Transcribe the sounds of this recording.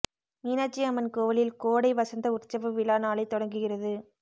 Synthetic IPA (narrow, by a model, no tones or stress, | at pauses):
miːnaːt͡ʃːiɐmɐnkoːʋɐlɪlkoːɽɐɪʋɐsɐnd̪ɐʊɾt͡ʃːɐʋɯʋɪlaːnaːlɐɪt̪ːɔɽɐŋɡɯɣɪrɐðɯ